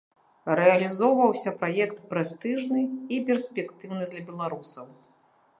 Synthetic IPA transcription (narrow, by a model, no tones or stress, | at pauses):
rɛɐlʲizɔwvɐwsʲɐpɾajɛkt̪pɾɛst̪ɨʐnɨipʲɛrsʲpʲɛkt̪ɨwnɨd̪lʲɐbʲɛlˠaɾusɐw